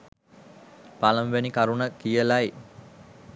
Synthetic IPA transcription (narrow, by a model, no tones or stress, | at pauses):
paləmʋenikaɾunəkijəlaj